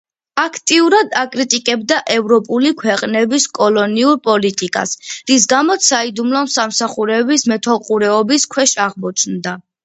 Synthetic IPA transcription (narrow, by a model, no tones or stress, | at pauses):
akʰt̪ʼiuɾad̪akʼɾit̪ʼikʼɛbd̪aʔɛvɾɔpʼulikʰwɛqʼnɛbiskʼɔlˠɔniuɾpʼɔlit̪ʼikʼa̰sɾis̬ɡamɔt̪said̪umlˠɔmsamsaχuɾɛbismɛt̪ʰɔlˠqʼuɾɛɔbiskʰwɛʃaʁmɔt͡ʃʰnd̪a